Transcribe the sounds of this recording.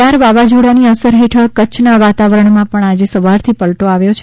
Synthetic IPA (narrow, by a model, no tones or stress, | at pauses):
aɾʋaʋad͡ʒuɽaniəsəɾɦeʈʰəɭkət͡ʃʰnaʋat̪aʋəɾəɳmãpəɳad͡ʒesəʋaɾt̪ʰipəlʈoaʋjot͡ʃʰe